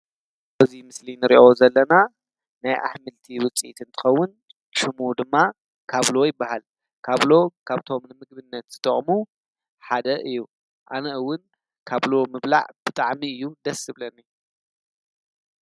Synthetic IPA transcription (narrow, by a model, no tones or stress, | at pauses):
wɐzimɨslinɨɾiʔozɐlːɐna | najʔa̰ħmɨlt̪ʰiwʊt͡sʼḭt̪ʰɨnt̪ʰɨ̥xɐwːʊn | ʃɨmud̪ɨmːa | kʰaβlo̞jɪbːahal | kʰaβlo̞kʰaβt̪ʰo̞mnɨmɨɡ̚bɨnːɐt̪z̥ɨt̪ʼɐχʼmu | ħad̪ɐʔɨjːu | ʔanɐʔɨwːʊn | kʰaβlo̞mɨβla̰ʕb̥ɨt̪ʼaʕmiɨjːud̪ɐsɨβlɐnːi